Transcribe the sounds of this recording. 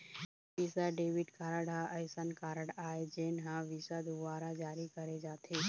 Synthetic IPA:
ɪsaɖeːʋɪʈkaːɾəɽãʔɐjsankaːɾəɽaːed͡ʒeːnɦãʋɪsad̪ʊʋaːɾad͡ʒaːɾikɐɾed͡ʒaːt̪ʰeː

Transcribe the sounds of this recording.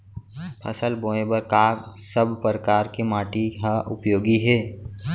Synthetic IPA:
pʰə̰səlbõːebəɾkaːksəbʱpɾəkaːɾkemaːʈiɦaʔʊpjoːɡiɦɛː

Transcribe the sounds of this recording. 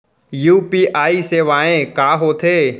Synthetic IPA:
juːpiːʔaːiseːʋaːẽkaːɦoːt̪ʰeː

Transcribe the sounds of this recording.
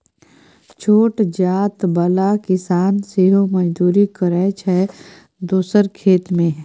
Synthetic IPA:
t͡ʃʰoːʈd͡ʒaːt̪bəlakɪsaːnseɦoməd͡ʒd̪uːɾikəɾɛːt͡ʃɦɛ | d̪oːsəɾkʰeːt̪mẽɦɛ

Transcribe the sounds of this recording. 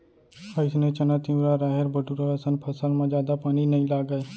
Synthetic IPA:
əɪsnẽt͡ʃənat̪iũɾaɾaːɦeɾbʱəʈuɾaəsənpʰəsəlmãd͡ʒjaːd̪apaːninɐĩlaːɡaːe

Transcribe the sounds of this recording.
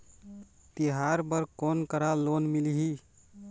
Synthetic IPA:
t̪iɦaɾbəɾkonkəɾalonmiliɦi

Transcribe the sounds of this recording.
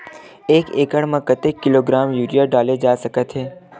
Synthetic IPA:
eːkeːkəɽmə̃kət̪ekːɪloɡɾaːmjuːɾijaɖaːled͡ʒaːsɐkət̪ɦɛː

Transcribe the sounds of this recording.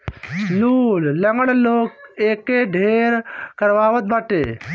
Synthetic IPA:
luːllɐŋɡəɽloːkeːkːeɖʱeːɾkɐɾʋaːʋət̪̚bəʈeː

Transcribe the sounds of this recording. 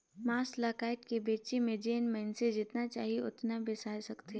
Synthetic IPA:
maːslaːkaːɪʈkebeːt͡ʃemẽd͡ʒeːnmɛnsed͡ʒɪt̪nat͡ʃa̰ːɦieʊt̪nabɪsaːjsɐkt̪e

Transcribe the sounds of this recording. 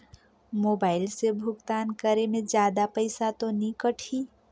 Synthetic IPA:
moːbaːɪlsebʱʊɡt̪aːnkəɾemẽd͡ʒjaːd̪apəɪsat̪onikəʈʰiː

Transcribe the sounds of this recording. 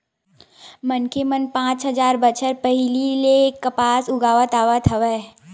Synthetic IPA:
mənkemənpãːt͡ʃɦəd͡ʒaːɾbət͡ʃʰəɾpəɦɪlilekːəpaːsʊɡaːʋət̪aːʋət̪ʰəʋɛː

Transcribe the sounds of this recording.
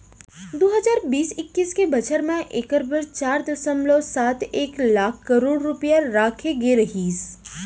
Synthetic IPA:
d̪oːɦəzaːɾbiːsɪkːiskebɐt͡ʃəɾmẽʔekəɾbəɾt͡ʃaːɾd̪əsəmlosaːt̪ʰeːklaːkʰkəɾoːɽɾʊpjaɾaːkʰeɡeɾɐɦiːs

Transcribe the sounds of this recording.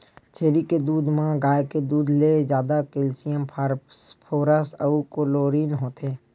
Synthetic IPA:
t͡ʃʰeːɾiked̪uːd̪mãɡaːjked̪uːd̪lezjaːd̪akɪlsɪjəmpʰːɾpʰoːɾəsəukoloːɾiːnɦoːt̪ʰeː

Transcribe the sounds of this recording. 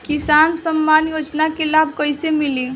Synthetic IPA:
kisansəmːanjod͡ʒnakelabʱkəjsemili

